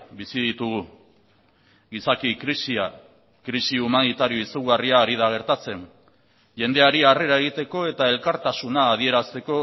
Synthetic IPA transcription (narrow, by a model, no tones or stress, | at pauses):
bisiðit̪uɣu | ɣisakikɾisia | kɾisiumanit̪aɾio̞isuɣariaːɾið̞aɣ̞e̞ɾt̪at͡se̞n | ʝe̞nd̪e̞aɾiare̞ɾae̞ɣ̞it̪e̞ko̞e̞t̪ae̞lkaɾt̪asunaːðie̞ɾast̪e̞ko̞